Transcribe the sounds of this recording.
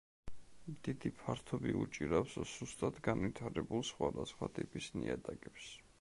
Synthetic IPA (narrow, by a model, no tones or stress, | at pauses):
md̪̥id̪ipʰaɾt̪ʰɔbiut͡ʃʼiɾawsɔz̥ust̪ʼad̪ɡanvit̪ʰaɾɛbulˠsχwad̪asχwat̪ʼipʼisniɛd̪aɡɛps